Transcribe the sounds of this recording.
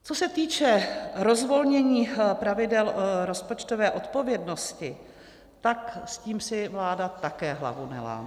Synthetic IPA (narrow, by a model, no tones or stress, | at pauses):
t͡so̞sɛt̪iːt͡ʃɛɾo̞zvo̞lɲɛɲiːpɾavɪdɛlɾo̞spo̞t͡ʃt̪o̞vɛːʔo̞t̪po̞vjɛdno̞scɪ | t̪aksciːmsɪvlaːdat̪akɛːɦla̰vunɛ̰la̰ː